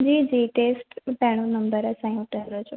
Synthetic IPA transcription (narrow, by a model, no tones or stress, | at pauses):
d͡ʒiːd͡ʒiːʈesʈpɛɽ̃unəmbəɾasãĩuʈəɾot͡ʃʰo